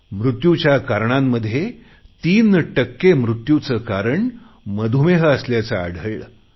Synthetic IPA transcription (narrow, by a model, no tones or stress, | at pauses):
mɾut̪jut͡ɕjakaɾɳamːəd̪ʱje | t̪iːnʈəkːemɾut̪jut͡səkaɾəɳ | məd̪ʱumeɦəəsljat͡sa̰ːɽ̤ʱəjɭ